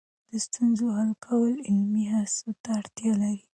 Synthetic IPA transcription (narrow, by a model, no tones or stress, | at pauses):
d̪̥əst̪unzohalkʰawəlɪlmiɦasot̪aːɽt̪jɑlaɾi